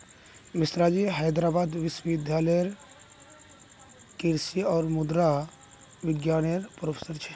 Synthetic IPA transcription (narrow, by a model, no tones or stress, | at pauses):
misɾad͡ʒiɦajd̪ɾaːbaːd̪ʋiswəʋid̪ʱjaːləjəɾ | kiɾsiɔːɾmud̪ɾa | ʋɪɡjaːnəjɾpɾoːpʰe̥səɾt͡ʃʰɛ̥